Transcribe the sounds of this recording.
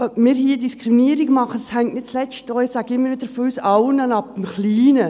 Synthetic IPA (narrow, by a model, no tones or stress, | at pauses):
œpmiːɾhiːdiskɾiminiːɾɪɡmɑχəd̥ɑ̥shæŋtnɪt̚t͡slɛst̚dɔɪsæɡ̥əɪmːəɾvʋɪd̪əɾfɔysɑʊənɑnɑp̚d̥̪əmχliːnə